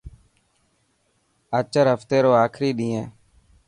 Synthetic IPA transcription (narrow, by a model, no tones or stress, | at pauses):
ət͡ʃəɾɦəft̪eːɾoːaːkʰɾiːɗĩːẽː